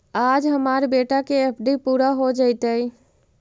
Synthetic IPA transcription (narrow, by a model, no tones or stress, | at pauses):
ad͡ʒɦəmaɾbeʈakeepʰɖipuɾaɦod͡ʒəɪt̪əj